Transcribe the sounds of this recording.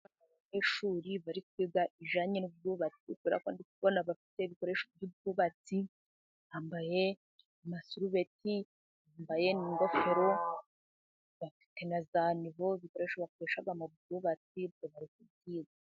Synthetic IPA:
aβaɲeʃuːɾiβaɾikwibɡaʔiʒaɲenubjuːβat͡sikuβeɾa̰koːndikuβonaβafi̥te̞βiko̞ɾe̞ʃobjubjuβat͡si | aːmbaje̞ | amasuɾuβe̞ti | ambaje̞niŋɡo̞fe̞ɾo̞ | βafi̥te̞nazaniβoβiko̞ɾe̞ʃoβako̞ɾe̞ʃabɡamoβduːβat͡sibɟoβaɾikubɡiːza

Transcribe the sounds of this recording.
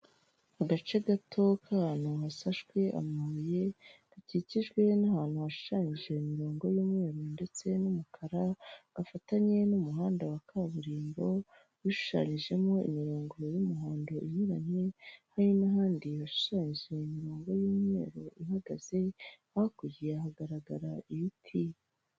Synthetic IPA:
aɡat͡ʃeɡatʰo̞kʰahaːn̥huɦasaʃɡwe̞ʔa̰muje̞̥ | aciciʒɡwe̞nahaːn̥huaʃu̥ʃaːɲiʒe̞imiɾoːŋɡo̞juːmŋe̞ːɾonde̞t͡se̞numukʰaɾaɡ̥afataɲe̞numuɦaːndawakʰaβuɾiːmbo̞ | βuʃu̥ʃa̰ːɲiʒe̞mo̞ḭmiɾoːŋɡo̞jumuɦaːndo̞ʔiɲiɾanehajinaɦaːndiβaʃu̥ʃaːɲiʒe̞imiɾoːŋɡo̞juːmŋe̞ːɾo̞ʔiɦaɡaz̥e̞ | ahakujiahaɡaɾaɡaɾaiβitʰi

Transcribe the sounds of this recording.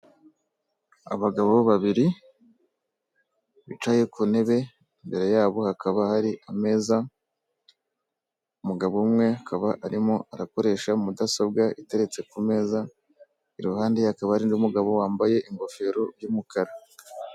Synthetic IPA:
a̰βaɡaβoβoβaβiɾi | βit͡ʃaːje̞kʰune̞βe̞ | imbe̞ɾe̞jaːβo̞hakʰaβahaɾiʔame̞ːza | umuɡaβomŋe̞akaβaʔaɾimoaɾako̞ɾe̞ʃaumudasabɡaite̞ɾe̞t͡se̞kume̞za | iɾuhaːndehakaβahaɾindumuɡaβo̞waːmbaje̞ʔiŋɡo̞fe̞ɾo̞ɾjuːmukaɾa

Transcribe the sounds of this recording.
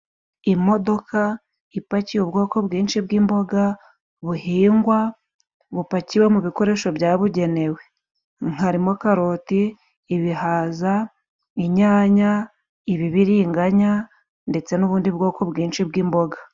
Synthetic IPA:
imo̞do̞ka | ipacijubɡo̞ːko̞bɡiːnʃibɡiːmbo̞ɡa | βuhiːŋɡwa | βupaciwemuβiko̞ɾe̞ːʃo̞bjaːβuɟe̞ne̞we̞ | ŋ̥aɾimokaɾotiː | βihaːza | iɲaːɲa | iβiβiɾiːŋɡaɲa | nde̞t͡se̞nuβuːndibɡo̞ːko̞bɡiːnʃibɡiːmbo̞ɡa

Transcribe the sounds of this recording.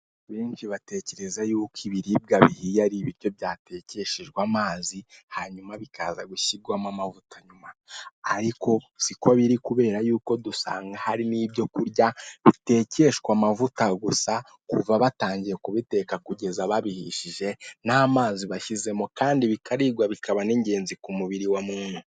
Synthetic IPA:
βiːnʃiβate̞ce̞ɾe̞zajuːkiβiɾib̚ɡaβihijaɾiβiɾjo̞βjaːte̞ce̞ʃeʒɡwamaːzihaɲumaβikʰa̰ːzaɡuʃiɡwamamavutaɲumaːɾiko̞siko̞βiɾikuβe̞ːɾajuːko̞dusa̰ːŋɡahaɾiniːbjo̞kuɾɟaβite̞ːce̞ʃkwamavutaɡusa | kuvaβataːɲɟije̞kuβite̞kakuɟe̞zaβaβihiʃiʒe̞naːmaːziβaʃize̞mokaːndiβikʰaɾiɡwaβikaβaneːɲɟe̞ːnzikumuβiɾiwamuːnu

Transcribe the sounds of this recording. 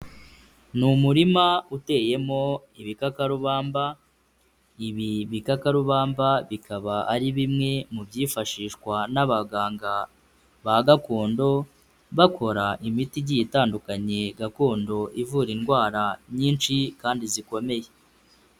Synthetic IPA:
numuɾimaute̞ːje̞mo̞ | iβikakaɾuβaːmba | iβiβikakaɾuβaːmbaβikʰaβaʔaɾiβimŋe̞mubjiːfaʃiːʃkwanaβaɡaːŋɡa | βaɡako̞ːndo̞ | βakʰo̞ɾaʔimitiɟijitaːndukaɲe̞ɡako̞ːndo̞ʔivuɾiŋɡwaːɾaɲiːnt͡ʃikaːndiziko̞me̞je̞

